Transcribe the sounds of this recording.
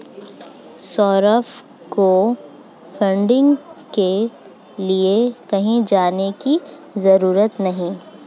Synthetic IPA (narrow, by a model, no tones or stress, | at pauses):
sɔːɾəf | ko | fʰɐ̃ɳɖɪ̃ŋɡke | liekɐɦĩd͡ʒaːneki | zɐɾuːɾət̪nɐɦĩ